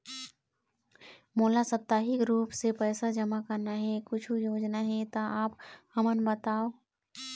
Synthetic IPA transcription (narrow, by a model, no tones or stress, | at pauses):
moːlasəp̚t̪aːɦikɾuːpsepɛːsad͡ʒəmakəɾnaɦɛkʊt͡ʃʰujoːd͡ʒnaɦɛt̪aaːphəmənbət̪aːoː